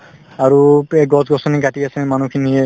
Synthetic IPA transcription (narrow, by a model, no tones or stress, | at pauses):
aɹuɛɡɔtɡɔsɔniɡaʈiasɛmanukʰiniɛ